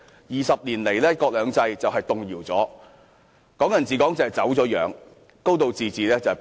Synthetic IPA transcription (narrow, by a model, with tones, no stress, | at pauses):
jiː˨˩sɐ˨p̚liː˨˩nle˨˩jlɛː˥kɔː˧k̚lœː˨˧ŋt͡sɐ˧jt͡sɐ˨wɦɐ˨jt̪ʊ˨ŋjiː˨˩wt͡sɔː˨˥ | kɔː˨˥ŋjɐ˨˩nt͡siː˨kɔː˨˥ŋt͡sɐ˨˩hɐ˨˩jt͡sɐ˨˥wt͡sɔː˨˥jœ̰ː˨˧ŋ | ko˥wt̪o˨˧wt͡siː˨˧t͡siː˨˩lɛː˥t͡sɐ˨˩hɐ˨˩